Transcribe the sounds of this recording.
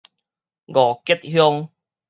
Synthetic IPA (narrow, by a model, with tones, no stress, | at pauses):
ɡɔ˨˩ke˦˥t̪̚hjɔ˦ŋ